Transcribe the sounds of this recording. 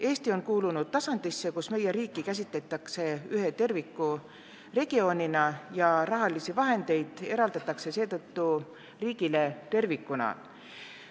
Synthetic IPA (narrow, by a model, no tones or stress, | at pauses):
e̞ːst̪io̞nkuːlunud̪̥̚t̪ɑsɑnd̪̥isːe̞kusme̞je̞ɾiːkːˑikæs̬ʲit̪ˑlet̪ːˑɑkse̞yɦe̞t̪e̞rvikːu | re̞ɡ̥io̞ːnʲinɑjɑrɑɦɑlisivɑɦe̞nd̪̥e̞jd̪̥e̞ɾɑld̪̥ɑt̪ːˑɑkse̞se̞ːt̪ɤt̪ːu | riːɡ̥ile̞t̪e̞rvikːˑunɑ̰